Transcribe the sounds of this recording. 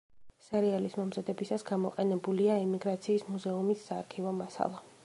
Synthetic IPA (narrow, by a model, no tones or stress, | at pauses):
sɛɾialismɔmzad̪ɛbisasɡamɔqʼɛnɛbuliaimiɡɾat̪sʰiːsmuzɛumisːaːɾkʰivɔmasa̰lˠa